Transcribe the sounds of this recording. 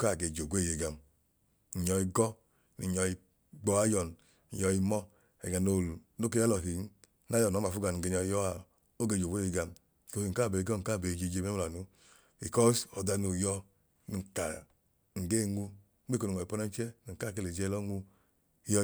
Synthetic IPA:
ka˦˨ɡe˧˨d͡ʒo˨ɡʷe˦˨je˧˨ɡa˨m | n̩˨ɲɔ˧i˧ɡɔ˦ | ni˨ɲɔ˧i˧ | ɡ͡bɔ˧˦a˦jɔ˨n̩˨ | jɔ˧i˧mɔ˦ | ɛ̰˨ɡa˨no˧˨no˦k̬e˦jlɔ˨ɦi˨n˦ | na˨˦jɔ˨nɔ˨˦ma˨fu˦ɡa˧˨ni˨ɡe˧˨ɲɔ˧i˧jɔ˦a˨ | o˦ɡe˧˨d͡ʒo˨ɡʷe˦˨je˧˨ɡa˧m˨ | ko˧hi˧˨ŋ̩˨ka˦˨be˨i˧ɡɔ˦˨ka˦˨be˨d͡ʒe˧˨d͡ʒe˧me˦˨a˨nu˦ | i˨kɔ˦sɔ˨da˧no˨jɔ˧ | ni˨ka˨ | ŋ̩˨ɡe˦˨ŋu˧˦ | ɡ͡be˦ko˧ni˨ɔ˨i˨pɔ˧˦na˦t͡ʃɛ˦ni˨ka˦˨ke˦˨le˨d͡ʒɛ˧lɔ˦ŋu˧ | i˦jɔ˧

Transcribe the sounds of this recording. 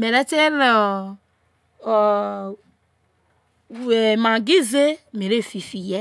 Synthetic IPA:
me˨ɾe˦t͡ʃe˦nɔ˨ | e˨mã˨ɡi˦ze˦me˨ɾe˦˨fi˨fi˨jɛ˦

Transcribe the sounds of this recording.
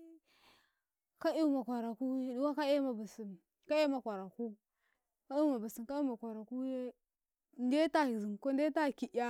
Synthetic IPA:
ka˦i˦ma˨kʷa˨ɾa˨ku˦du˦wa˦ka˦e˦ma˨bi˨si˨n | ka˦e˦ma˨kʷa˨ɾa˨ku˦ | ka˦i˦u˦ma˨bə˨si˨ka˦i˦ma˨kʷa˨ɾa˨ku˦ | nde˦ta˦i˨zi˨ko˦n˦de˦ta˦˨ki˨˦a˦

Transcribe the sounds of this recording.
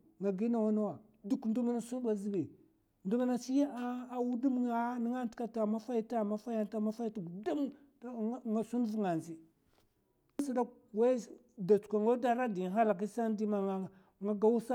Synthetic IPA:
ŋa˨ɡi˦na˨wa˦na˦wa˨ | du˦kn˦du˦ma˦na˦su˦n˦ɓa˨zi˦bi˨ | ndu˦ma˦na˦si˦ja˦˨wu˦du˦ma˦ni˦ŋa˦n˦tka˨ta˨ma˦fa˦i˦ta˦ma˦fa˦ja˦nta˦ma˦fa˦i˦ta˨ɡu˨da˦m˦ | ŋa˨su˦n˦vu˦˨ŋa˨nzi˨˦ | sa˨da˦ | wa˦ | da˨t͡su̥˨kʷa˨ŋɡo˦da˦˨ɾa˦di˨ɦa˦la˨k̬i˦sa˦n˦di˦ma˨ŋa˦ | ŋa˦ɡa˦wu˦sa˦

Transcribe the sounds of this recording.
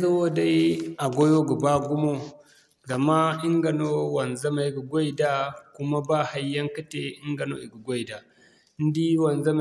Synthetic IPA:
za˦wo˦da˦jʔa˨ɡo˦jo˦ɡu˨ba˦ɡu˦mo˦ | ɡa˨ma˦ɪ˦ŋɡɐ˨no˦wɐ˨nza˦ma˨jɡu˨ɡʷo˦jda˦ku˦ma˦baː˦˨ha˦jːɐ˦ŋkɐ˦te˦˨ɪ˦ŋɡɐ˨no̰˦ʔi˨ɡu˨ɡʷo˦jda˨˦ | n˦di˦wɐ˨nza˦m˦

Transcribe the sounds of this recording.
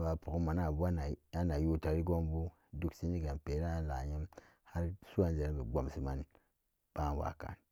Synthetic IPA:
ba˨pu˨ku˦ma˨na˨ba˦n˨a˦na˨ju˦ta˨ɾi˦ɡo˦mbu˦ | du˨ksi˦ni˦ɡa˨npe˨˦ɾa˦la̰˨ɲi˦m | ha˦ɾsu˦a˦nze˨ɾbe˨ɡ͡bo˨msi˨ma˨n | b̥a˦˨wa̰˨ka̰˨n

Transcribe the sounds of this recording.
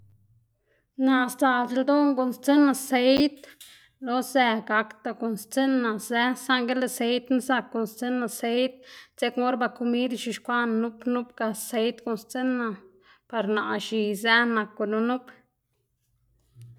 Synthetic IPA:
na˧˨st̪a˨se˧ld̪o˦ŋɡo˨nst͡se˦na˧se˧jt̪ | lo˧˦zɛ˧ɡa˧kt̪a˧ko˨nst͡se˦na˨ze˦sa˦ŋɡe˦le˧se˧jt̪na˦za˧kːo˨nst͡se˦nːa˧se˧˦jt̪̚t͡se˦kmo˦ɾba˧ku˧mi˦d̪ʃi˧ʃkʷa˦nnu˦pnu˦pɡa˧se˧˦jt̪ko˧˨nst͡se˦nːa˧ | pa˧ɾna˨ʔʃi˨zæ˦na˨kːu˧nu˧nu˦p

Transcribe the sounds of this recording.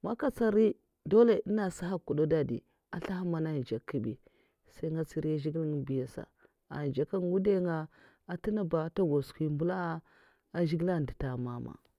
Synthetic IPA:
ma˦ka˦t͡sa˦˨ɾi˦ | do˦le˦˨i˦na˦˨sa˦ɦa˦kːu˨do˦da˦dḭ˨ | a˨ɬa˦ɦa˦ma˨na˦n˨d͡ʒa˨kːi˦bḭ˨ | sa˦i˦ŋɡa˦t͡si˦ɾi˦a˦ʒi˦ɡi˦lŋ˨bi˨ja˨sa̰˨ | a̰˨n˨d͡ʒa˨ka˦n˨ɡu˦de˦ŋɡa˨ | a˨ti˦na˦ba˨˦ta˦ɡo˨skʷi˦mbu˦la˦ | a˦ʒi˦ɡi˦la˦n˨di˨ta˨ma˨ma̰˨

